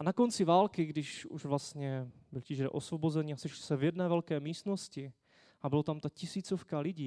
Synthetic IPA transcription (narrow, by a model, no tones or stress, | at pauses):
anako̞nt͡sɪvaːlkɪɡdɪʃṵʒvlast̪ɲɛbɪlciʒdɛ̰ʔosvobozɛniːasɛʃlɪ̥sɛvjɛdnɛːvɛlkɛːmiːst̪noscɪ | abɪlot̪amt̪acɪsiːt͡sofkalɪɟiː